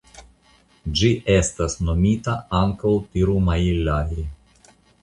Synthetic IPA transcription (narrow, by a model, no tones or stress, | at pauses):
d͡ʒiʔe̞stasno̞mitaaŋkawtiɾumailaji